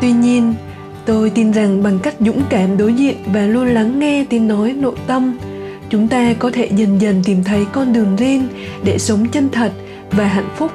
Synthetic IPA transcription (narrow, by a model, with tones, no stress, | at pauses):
t̪wi˧ɲi˧ən | t̪o˧jt̪i˧nza˨˩ŋɓa˨˩ŋka˦˥jk̟̚zʊ̰˧˥ŋ͡mkaː˧˩mɗo˨˦jzḭ˧˨ənvaː˨˩lu˧ənla˨˦ŋːɛ˧t̪i˨˦nːɔ˨˦jno̰˧˨jt̪ə˧m | t͡ɕʊ˨˦ŋ͡mt̪aː˧kɔ˨˦t̪ʰe˧˩zə˨˩nzə˨˩nt̪i˧˩mt̪ʰə˨˦jkɔ˧nɗɨ˨˩əŋzi˧n | ɗe˧˩sə˨˦wŋ͡mt͡ɕə˧ŋ̟t̪ʰə˨˩t̚ | vaː˨˩ɦa̰˧˨jŋ̟fʊ˦˥k͡p̚